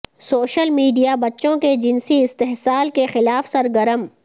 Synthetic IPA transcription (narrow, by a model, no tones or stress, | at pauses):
soːʃəlmiːɖijabɐtːʃõked͡ʒɪnsiɪst̪eɦsaːlkexɪlaːfsɐɾɡəɾəm